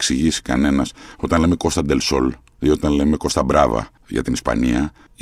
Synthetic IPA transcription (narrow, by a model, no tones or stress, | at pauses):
ksiʝisi̥kɐ̰ne̞nɐsot̪ɐnleme̞ko̞st̪ɐnd̪elso̞l | io̞t̪ɐnle̞me̞ko̞st̪ɐbɾɐvɐ̰ | ʝɐ̰t̪inispɐ̰niɐ